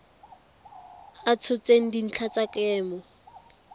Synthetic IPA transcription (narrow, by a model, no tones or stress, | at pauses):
at͡sʰʊt͡sʼeŋ̩din̩t͡ɬʰat͡sʼakʼɛːmɔ